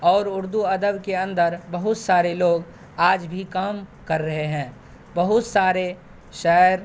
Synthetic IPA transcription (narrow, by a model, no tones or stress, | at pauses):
ɔːɾʊɾd̪uɐd̪əbkeɐ̃nd̪əɾbɐɦʊt̪saːɾeloːɡ | aːd͡ʒbʱikaːmkɐɾːɐɦeɦɛ̃ː | bɐɦʊt̪saːɾe | ʃɛːɾ